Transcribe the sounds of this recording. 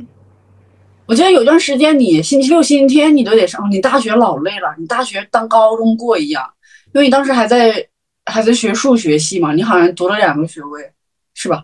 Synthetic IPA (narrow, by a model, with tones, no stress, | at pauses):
wɔ˨˩t͡ɕɥɛ˧˥d̪ə˧ji˥t̪wa˥˩nʂɻ̩˧˥t͡ɕjɛ˥nni˧˩˥jɛ˨˩ɕi˥nt͡ɕʰi˥jo˥ʊɕi˥n˥t̪ʰjɛ˥nni˨˩t͡ɕjo˧˥ʊt̪ɛ˨˩ʂɑ˥˧˩ni˨˧˩t̪a˥˩ɕɥɛ˧˥lɑ˨˩ʊle˥˩ɪlə˩ni˨˩t̪a˥˩ɕɥɛ˧˥t̪ɑ˥ŋkɑ˥ʊʈ͡ʂʊ˥ŋkwɔ˥˩i˧˥jɑ˥˩ŋ | i˥wɪni˨˩t̪ɑ˥ŋʂɻ̩˧˥xa˧˥ɪt͡sa˥˧ɪ | xa˧˥ɪt͡sa˥˩ɪɕɥɛ˧˥ʂu˥˩ɕɥɛ˧˥ɕ̬i˥˩mɐ˩ni˧˥xɑ˨˩ʊɕɛ˧˥nt̪u˧˥lə˧ljɑ˨˩ŋɡə˧˦ɕɥɛ˧˥we˥˩ɪ | ʂɻ̩˥˩bɐ˩